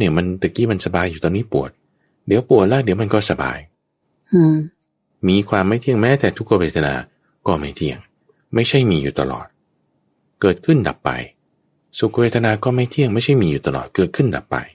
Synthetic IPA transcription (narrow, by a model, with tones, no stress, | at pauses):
ni˧˥˩əma˧nt̪a˨˩kiː˧˥˩ma˧nsa˧baː˧jːu˨t̪ɔː˧nːiː˦˥˩pu˨˩ət̪̚ | di˨˦əwpu˨˩ət̪̚lɛ˦˥˩di˨˩˦əwma˧nkɔː˥˩sa˧ba̰ː˧j | ɯ˧˩ | miː˧kʰwaː˧mːa˥˩jt̪ʰi˥˩əŋmɛː˦˥t̪ɛː˨˩t̪ʰu˦˥kːa˧we˧˩t̪ʰːa˧na̰ː˧ | kɔː˥˩ma˥˩jt̪ʰi˧˥˩əŋ | ma˥˩jt͡ɕʰa˥˩jmiː˧juː˨˩t̪a̰˧lɔ̰ː˨˩t̪̚ | kɤː˨˩t̪̚kʰɯ˥˩nda̰˨˩pːa̰˧j | su˨˩kːa˧weː˧˩t̪ʰa˧naː˧kɔː˥˩ma˥˩jt̪ʰi˥˩əŋma˥˩jt͡ɕʰa˥˩jmiː˧juː˨˩t̪a˧lɔ̰ː˨˩t̪̚kɤː˨˩t̪̚kʰɯ˥˩nda̰˨˩pːa̰˧j